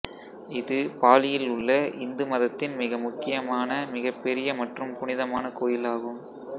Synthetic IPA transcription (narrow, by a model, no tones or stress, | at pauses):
ɪðɯpaːlɪjɪlʊɭːɐʔɪnd̪ɯmɐðɐt̪ːɪnmɪɣɐmʊkːɪjɐmaːnɐmɪɣɐpːɛɾɪjɐmɐʈrɯmpʊɳɪðɐmaːnɐkoːjɪlaːɣɯm